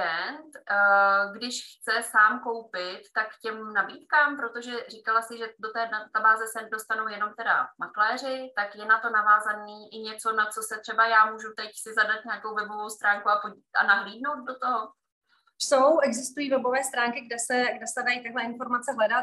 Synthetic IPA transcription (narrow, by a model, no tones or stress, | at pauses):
ɛnt̪ | ɡdɪʃxt͡sɛsaːmko̞wpɪt̪ːakcɛmnabiːt̪kaːmpɾo̞t̪o̞ʒɛrikalasɪʒɛdot̪ɛːdat̪abaːzɛsɛdo̞st̪anowjɛno̞mt̪ɛda̰maklɛːr̝ɪt̪akjɛnat̪o̞navaːzaniːʔɪɲɛt͡so̞nat͡so̞sɛt̪r̥ɛbajaːmuːʒut̪ɛcsɪzadat̪̚ɲaako̞wvɛbo̞vo̞wst̪ɾaːŋkuapo | a̰naɦliːdno̞wt̪̚do̞t̪oɦo | sowʔɛɡzɪst̪ujiːvɛbo̞vɛːst̪ɾaːŋkɪɡdɛsɛɡdɛsɛdajit̪aɡɦlɛɪnfo̞ɾmat͡sɛɦlɛdat̪